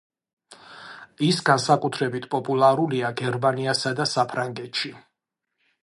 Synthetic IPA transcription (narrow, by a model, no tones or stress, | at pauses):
isɡansakʼut̪ʰɾɛbit̪ʰpʼɔpʼulˠaɾuliaɡɛɾmaniasad̪asapʰɾaŋɡɛt̪ʃi